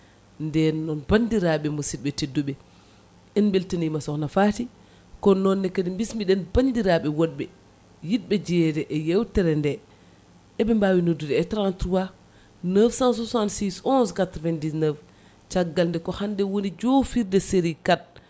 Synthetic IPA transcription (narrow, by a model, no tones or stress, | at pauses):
ndɛnːɔnbandiɾaɓɛmusit̚ɓɛtedːuɓɛ | ɛnbeltanimasɔknafati | kɔnɔnːɛkadimbismiɗɛnbandiɾaɓɛwoɗ̚ɓɛ | jit̚ɓɛd͡ʒɛdɛʔɛjewtɛɾɛndɛ | ɛɓɛmbawinodːudɛːtɾantɾuwa | nəfsans̬usantsisɔnskatɾvɛndinəf | t͡ʃaɡːalndɛkɔhandɛwonid͡ʒofiɾdɛseɾikat̚